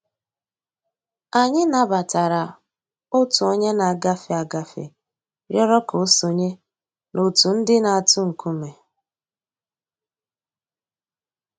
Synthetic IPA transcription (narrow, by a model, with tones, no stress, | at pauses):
a˨ɲɪ˦na˨ba˨ta˨ɾa˨ | ʊ˦tʊ˨o˦ɲe˦na˨a˨ɡa˦fɪ˨a˨ɡa˨fɪ̰˨ | ɾjɔ˦ɾɔ˦ko˨˦so˨ɲe˦ | no˨tu˨n̩˦dɪ˦na˨a˨tʊ˦ŋ̩˨ku˦me˨